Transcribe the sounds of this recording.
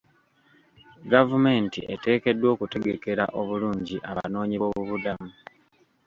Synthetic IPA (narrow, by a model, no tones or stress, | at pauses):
ɡavume̞ːntḭʔe̞̰te̞ːke̞dːwo̞ːkute̞ɡeke̞ɾa̰ʔo̞βuluːɲɟiʔaβa̰no̞ːɲiβoβuβudamu